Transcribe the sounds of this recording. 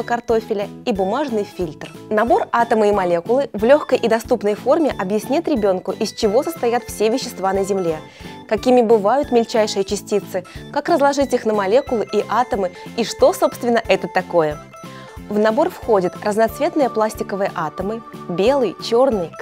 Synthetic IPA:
kɐrt̪o̞fʲɪlʲəibʊmaʐnɨjfʲilʲt̪rnɐbo̞rat̪əmɨɪmɐlʲe̞kʊlˠɨvlʲoxkəjʔid̪ɐst̪upnəjfo̞rmʲɪʔɐbjɪsʲnʲit̪ɾʲɪbʲo̞nkʊʔɪsʲt͡ɕɪvo̞səst̪ɐjat̪fsʲevʲɪɕːɪst̪vanəzʲɪmlʲe | kɐkʲimʲɪbɨvajʊt̪mʲɪlʲt͡ɕæjʂɨjət͡ɕɪsʲtʲit̪sɨkakrəzlˠɐʐɨtʲixnəmɐlʲe̞kʊlˠɨʔiʔat̪əmɨiʂt̪o̞so̞pst̪vʲɪnːəʔɛt̪ət̪ɐko̞jə | vnɐbo̞rfxodʲɪt̪rəznɐt̪svʲet̪nɨjəplˠasʲtʲɪkəvɨjəʔat̪əmɨbʲe̞lˠɨjt͡ɕo̞rnɨj

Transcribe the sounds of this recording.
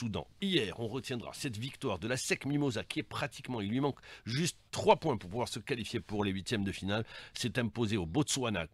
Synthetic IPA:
ud̪ɑ̰̃ijɛːʁɔ̃ʁət̪jɛ̃d̪ʁa̰sɛt̪vikt̪waʁd̪əlasɛkmimozakʲiɛpχat̪i̥kmɑ̃ilːɥimɑ̃kʒyst̪ːχwapwɛ̃puʁpuvwaʁsəkalifjepuʁleɥit̪jɛmd̪əfinalsɛt̪ɛmpozeobot̪swana̰k

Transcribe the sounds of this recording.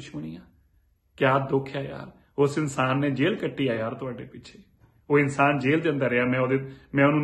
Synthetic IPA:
t͡ʃʰməɽ̃iːãː | kjaːd̪oːkʰjaːja̰ːɾ | ʊsɪnsaːnːeːd͡ʒeːlkəʈːiːaːjaːɾt̪ʊaːɖḛːpɪːt͡ʃʰeː | oːɪnsaːnd͡ʒeːld͡ʒ̪ə̃nd̪aːɾɪaːmɛ̃ːd̪emɛ̃ːʊnũː

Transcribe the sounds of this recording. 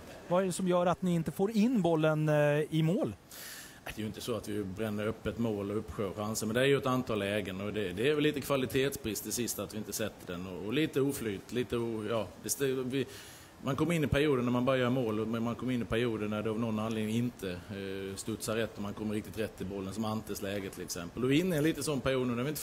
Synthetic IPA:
vaæɖɛsɔmjœːɾat̪nɪɪnt̪əfoːɾɪnːbɔlːənɪmoːl | ad̪ɛːjɵɪnt̪əsɔat̪vɪbɾɛnːəɾœpːət̪moːlɔɵpːɧøːɧansənmɛnd̪ɛæɾjɵɛt̪ant̪ʰɑːlɛːɡənɔd̪ɛd̪ɛæɾvɛllːiːt̪əkʰvalɪt̪ʰeːt̪sbɾɪst̪ɛsɪst̪at̪vɪɪnt̪əsɛt̪ːəɖɛnɔːliːt̪əuːflyːt̪liːt̪əuːjɑːd̪ɛst̪ɛvɪ | mankʰɔmːɾɪnːɪpʰæɾɪuːd̪ənæɾmanbɑːɾajœːɾmoːlɔmankʰɔmːɪnːɪpʰæɾɪuːd̪ənnæɖɛɑvnɔnːanlɪŋənɪnt̪ʰəst̪ɵt̪saɾɛt̪ːɔmankʰɔmːəɾɪk̚t̪ɪt̪ɾɛt̪ʰːɪlbɔlːənsɔmant̪ʰəslɛːɡət̪ʰɪlɛksɛmpəld̪ɔvɪɪnːɪɛnliːt̪əsɔnːpʰæɾɪuːd̪nʉːd̪ænvɪn

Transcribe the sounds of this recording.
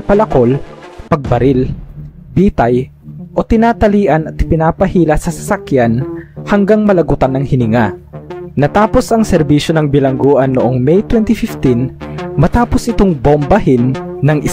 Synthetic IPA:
pɐlɐko̞lpɐɡ̚bɐɾɪlbiːt̪ɐj | ʔo̞t̪ɪnaːt̪ɐliːʔɐnɐt̪ɪ̥pɪnaːpɐhiːlɐsɐsɐ̥sɐkjanhɐŋɡaŋmɐlɐɡʊt̪ɐnɐŋhɪnɪŋa | nɐt̪aːpo̞sɐŋsɛɾbiːʃo̞nɐŋbɪlɐŋɡoːʔɐnːoʔoŋmɛjt̪wɛnt̪ɪfɪft̪inmɐt̪aːposʔɪt̪o̞ŋbombɐhɪnː | ɐŋʔɪ

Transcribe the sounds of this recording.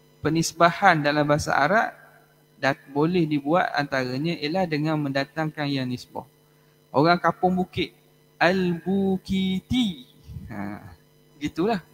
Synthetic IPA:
pənisbahandalambaasa̰ʔa̰ɾaʔ | dabolɛhdibua̰t̪̚a̰nt̪aɾəɲə̃ʔilahdəŋãnmə̃ndat̪aŋkaŋjaŋnisbɔ̰h | ʔoɾaŋkapʊŋbukɪt̪̚ | albukit̪i | ə̰ | ɡit̪ulah

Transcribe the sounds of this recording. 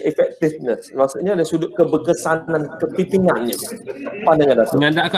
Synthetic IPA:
ifɛk̚t̪ifnəsmak̚sut̪̚ɲadasudʊt̪̚kəbəkəsanãnkəpit̪iŋãnɲəpanaŋãdat̪əŋandak

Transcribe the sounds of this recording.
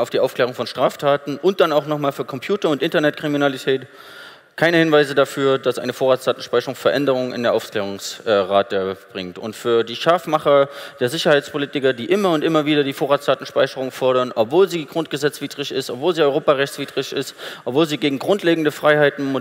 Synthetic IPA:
ʔaʊfd̥iːʔaʊfklɛːʁʊŋfɔnʃtʁ̥aːftʰaːtn̩ʔʊnt̚d̥anaʊxnɔχmaːlfyːɐkʰɔmpʰj̥uːtɐʊntʔɪntɐnɛt̚kʁ̥iminalitʰɛːt | kʰaɪnəhɪnvaɪzədafyːɐd̥asʔa̰ɪnəfoːɐʁaːtt͡stʰaːtn̩ʃpaɪçəʁʊŋfɛɐʔɛndəʁ̞ʊŋənɪ̰ndeːɐʔaʊfklɛːʁʊŋsʔɛːʁaːtəb̥ʁɪŋtʊ̰ntfyːɐdiːʃaɐfmaχɐd̥eːɐzɪçɐhaɪt͡spʰoliːtɪkɐdiːʔɪmɐʊntʔɪmɐviːdɐdiːfoːʁaːt͡stʰaːtn̩ʃpaɪçəʁʊŋfɔɐɾɐnʔɔpv̥oːlziːɡʁʊnt̚ɡ̥əzɛt͡sv̥iːdʁɪçɪstɔpvoːlziːɔʏʁoːpaʁɛçt͡sv̥iːdʁɪçɪstʔɔpv̥oːlziːɡeːɡŋ̩ɡʁʊntleːɡŋ̩dəfʁ̥aɪɦaɪtn̩m

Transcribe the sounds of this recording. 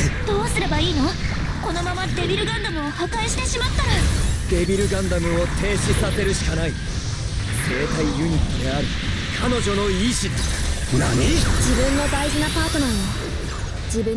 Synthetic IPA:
d̪̥o̞ːsɨɾe̞baiːno | ko̞no̞mamad̪e̞bʲiɾɯ̟ɡãnd̪amɯ̟βahakaiɕi̥t̪e̞ɕimat̪ːaɾad̪̥e̞bʲiɾɯ̟ɡãnd̪amɯ̟o̞t̪ʰe̞ːɕisase̞ɾɯ̟ɕi̥kanai | ɡe̞ːt̪aijɯ̟ɲ̟ikːɯ̟d̪e̞aɾɯ̟ | kʰano̞ʑo̞no̞iːɕit̪nad͡ʑibɯ̟̃nːo̞d̪aiʑinapaːt̪o̞nãna | d͡ʑibɯ̟̃

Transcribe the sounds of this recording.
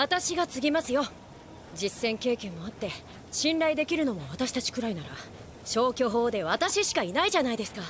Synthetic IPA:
βat̪aɕiɡat͡sɨɡʲimasɨjo̞ | d͡ʑisːẽ̞ŋke̞ːkʲẽ̞mːo̞at̪ːe̞ | ɕĩnɾaid̪e̞kʲiɾɯ̟no̞mo̞βat̪aɕi̥t̪at͡ɕi̥kɯ̟ɾainaɾa | ɕo̞ːkʲo̞ɦo̞ːd̪e̞βat̪aɕiɕi̥kainaiʑanaid̪e̞sɨ̥ka

